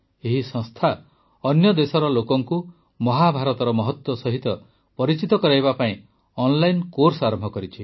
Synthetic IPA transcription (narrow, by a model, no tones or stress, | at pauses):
eɦisɔ̃ŋst̪ʰa | ɔnjɔd̪esɔɾɔlokɔŋku | mɔɦabʱaɾɔt̪ɔɾɔmɔɦɔt̪wɔsɔɦit̪ɔ | pɔɾit͡ʃit̪ɔkɔɾajβapaĩ | ɔnlajnkoɾsaɾɔmbʱɔkɔɾit͡ʃʰi